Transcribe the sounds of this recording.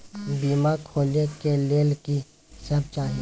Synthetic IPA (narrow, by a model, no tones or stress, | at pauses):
biːmakʰoːlekeleːlki | səb̚t͡ʃaːɦi